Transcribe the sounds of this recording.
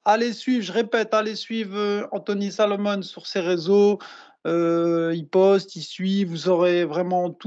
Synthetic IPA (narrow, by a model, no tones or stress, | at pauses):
alesɥivʒəʁepɛt̪alesɥivʁøɑ̃t̪ɔnisalɔmɔnsyʁseʁezo | øipɔst̪isɥivuzɔʁevʁɛmɑ̃t̪u